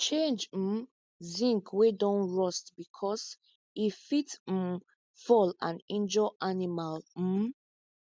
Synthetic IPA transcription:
t͡ʃẽnd͡ʒ̩ | zĩŋkwedɔ̃nɹɔstbikʰɔs | ifit̩ | fɔlãnɛ̃nd͡ʒɔʔanimal̩

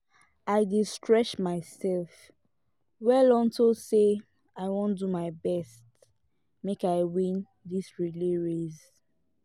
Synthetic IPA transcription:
aɪdistʰɹɛt͡ʃmaɪsɛlf | wɛlɔ̃ntose | aɪwõndumaɪbɛst | mekaɪwĩn | disɹiliɹez

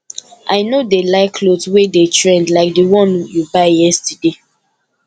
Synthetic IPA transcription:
ʔaɪnodelaɪkʰlodswedetɹɛ̃ndlaɪk̚diwɔ̃njubaɪjɛstɛde

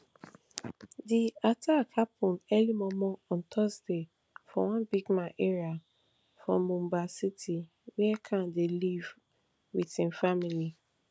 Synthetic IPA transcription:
diatʰakapʰũnɛlimɔ̃mɔ̃ɔ̃ntʰɔsde | fɔwɔ̃nbiɡmãʔeɹia | fɹɔ̃mũmbasitʰi | wɛɛkʰãndeliv | witĩnfamili

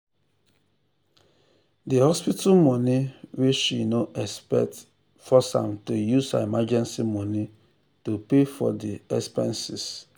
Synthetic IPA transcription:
dihɔspitʰalmɔniwiʃinoʔɛspɛ̰t | fɔsã̰mtujusa̰imad͡ʒɛ̃nsimɔni | tupefɔ̰diɛ̰kspɛ̰̃nsis

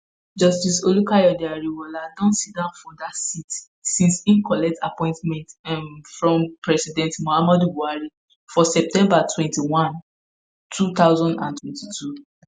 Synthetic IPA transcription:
d͡ʒɔstisolukajɔdiaɹiwɔladɔ̃nsit̚dãʊ̃nfɔ̃datsit | sĩnsĩnkɔlɛk̚tʰapɔ̃ɪ̃ntmɛ̃ntmfɹɔ̃mpɹɛsidɛ̃ntmohamɔdubuaɹi | fɔsɛp̚tɛ̃mbatʰwɛ̃ntiwãn | tʰut̪aʊzɔ̃ndãntʰwɛ̃ntitʰu

